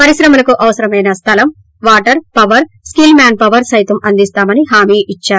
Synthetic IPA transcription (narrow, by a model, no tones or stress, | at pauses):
pɐɾisɾɐmɐlɐkuʔɐʋɐsɐɾɐmɐjnɐst̪ʰɐlɐm | ʋaːʈɐɾpɐʋɐɾ | skilmaːnpɐʋɐɾsɐjt̪ɐmɐnd̪ist̪aːmɐniɦaːmiːʔit͡ʃːaːɾu